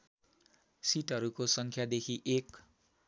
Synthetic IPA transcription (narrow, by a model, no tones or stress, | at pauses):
siʈʌɾukosʌŋkʰjad̪ekʰiʔek